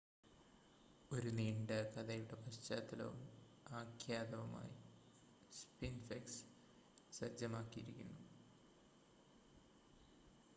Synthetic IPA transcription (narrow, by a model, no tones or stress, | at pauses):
o̞ɾuniːɳɖɨkɐd̪ɐjuɽe̞pɐst͡ɕaːt̪ːɐlɐ̰ʋṵm | aːkʰjaːd̪ɐʋɐma̰ːji | spinfɐks | sɐd͡ʑɐmaːkːijiɾikʲːunːu